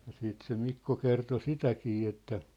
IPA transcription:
jɑ siːt se mikːo kerto sitækiː etːæ

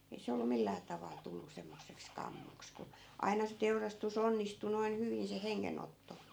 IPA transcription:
ei se olːu milːæː tɑʋɑl tulːu semːosːeks kɑmːoks ku ɑi̯nɑ se teurɑstus onːistu noin hyʋin se heŋːenotːo

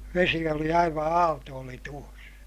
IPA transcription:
ʋesi oli ɑiʋɑ ɑːltoːli tuos

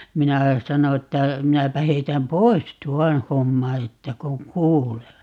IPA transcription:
minæ sɑno etːæ minæpæ heitæm pois tuɔn̞ homːɑ etːæ koŋ kuːleː

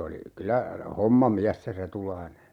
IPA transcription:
oli kylæ homːɑmiæs se retulɑine

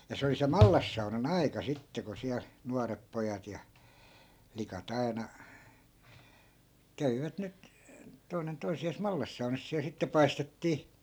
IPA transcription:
jɑ se oli se mɑlːɑsːɑunɑn ɑi̯kɑ sitːe ku siæl nuɑrep pojɑt jɑ flikɑt ɑinɑ kæʋiʋæt nyt toi̯nen toisiɑːs mɑlːɑsːɑunɑs siæl sitːe pɑistetːiː

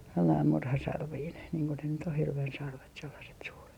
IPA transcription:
selːɑim murhɑsɑrʋiːn niːŋ ko ne nyt o hirʋen sɑrʋet selːɑset suːret

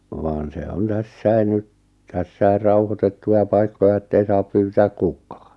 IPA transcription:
ʋɑːn se on tæsːæi nyt tæsːæi rɑuhotetːuj̆ɑ pɑikːoj̆ɑ etːei sɑːp pyːtæːk kukˑɑ̥ː

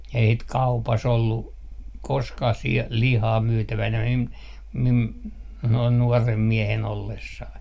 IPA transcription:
ei sit kɑupɑs olːu koskɑh si lihɑː myːtæʋænæ mim mim noin nuɔrem miehen olːesːɑi

